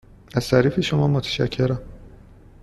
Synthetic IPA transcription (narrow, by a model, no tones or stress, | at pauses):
æz̥t̪ʰæɾiːfeʃomɒːmot̪ʰæ̥ʃæ̰cʰːe̞ɾæm